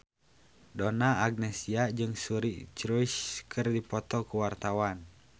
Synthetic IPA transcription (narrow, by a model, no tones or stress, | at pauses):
dɔnaːɡ̚nɛsiad͡ʒɨŋsuɾit͡ʃɾuiskʰɨrdipɔt̪ɔkuwart̪awan